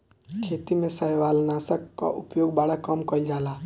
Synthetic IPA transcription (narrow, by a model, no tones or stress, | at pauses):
kʰeːt̪imẽsəɦʋaːlnaːsəkːa̰ʔʊpjoːɡbaɽakəmkəid͡ʒaːlaː